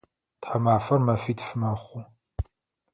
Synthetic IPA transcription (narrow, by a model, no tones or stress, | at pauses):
tħamaːfɐrmɐfiːtfɨmɐχʷʊ